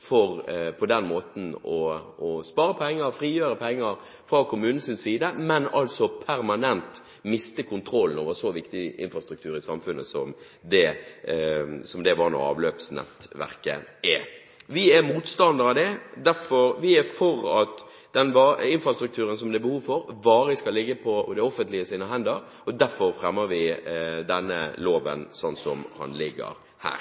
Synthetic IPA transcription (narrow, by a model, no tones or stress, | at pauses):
fɔɾpʰɔd̪ɛnmoːt̪n̩ɔɔspɑːɾəpʰɛŋːəɾfɾiːjøːɾəpʰɛŋːəɾ | fɾɑkʊmʉːnn̩sɪnsiːd̪əmɛnɑlt̪sɔpʰæɾmɑnɛnt̪ | mɪst̪əkʰʊnt̪ʰɾɔlːn̩o̰ːʋəsɔʋɪkt̪ɪɪ̰nfɾɑst̪ɾʉkt̪ʰʉːɾɪsɑmfʉnːəsɔ̰m | d̪ɛ | sɔmd̪ɛʋɑɾnɔ̰ɾɑ̰ːʋlø̰ːpsnɛ̰t̪ʋæ̰ʁkə̰ʔɛ | ʋɪɛɾmuːt̪st̪ɑnd̪əɾɑʋd̪ɛd̪æɾfɔɾʋɪæfɔɾɑt̪ | d̪ɛnʋɑɪnfɾɑst̪ɾʉk̚t̪ʰʉːɾənsɔmd̪ɛbəhuːʋfɔɾʋɑːɾəskɑllɪɡːəpʰɔɔd̪ɛɔfənt̪lɪəsiːnəɦɛnd̪əɾ | ɔd̪æɾfɔɾfɾɛmːəɾʋɪd̪ɛnːə̰loːʋə̰nsɔnsɔmhɑ̰nlɪɡːə̰ɾ | hæ̰ːɾ